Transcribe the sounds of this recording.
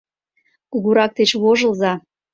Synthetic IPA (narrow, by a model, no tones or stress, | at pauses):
kuɣuɾɑk̚t̪et͡ɕβoʒə̆lzɑ